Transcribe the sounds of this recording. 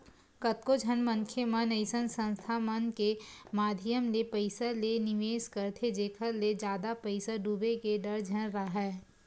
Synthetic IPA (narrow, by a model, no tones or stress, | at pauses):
kɐt̪̚kod͡ʒʱɐnmə̃ŋkʰemənəɪsənsə̃nst̪ʰamɐnkemaːd̪ʱijəmlepəɪsəlenɪʋeːskɐɾt̪ʰed͡ʒeːkʰəɾled͡ʒjaːd̪apəɪsəɖuːbekeɖɐɾd͡ʒʱɐnɾaɦɛː